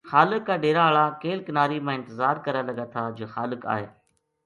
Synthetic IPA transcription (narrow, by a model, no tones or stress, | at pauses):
xaːlɪkːaːɗeːɾaɭakeːlkɪnaːɾimãːɪ̃nt̪ɪzaːɾkɐɾalɐɠat̪ʰad͡ʒoːxaːlɪka̰ːɦeː